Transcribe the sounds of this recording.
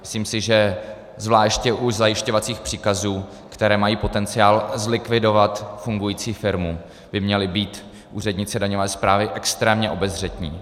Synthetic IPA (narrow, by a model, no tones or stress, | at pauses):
mɪ̥sliːmsɪʒɛ | zvlaːʃcɛʔuzajɪʃco̞vat͡siːxpr̥iːkazuː | kt̪ɛɾɛːmajiːpo̞t̪ɛnt͡sɪaːlzlɪkvɪdo̞vat̪fuŋɡujiːt͡siːfɪɾmu | b̥ɪmɲɛlɪbiːt̪ | ʔuːrɛdɲɪt͡sɛdaɲovɛːspɾaːvɪʔɛkst̪ɾɛːmɲɛʔo̞bɛzr̝ɛt̪ɲḭː